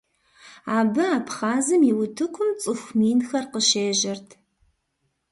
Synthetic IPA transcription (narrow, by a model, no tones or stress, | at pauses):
aːbɨaːpχaːzɨmiwʊtʰɨkʷʰʊmt͡sʼɨxʷmiːnxɐrqəʃeːʒɐrtʰ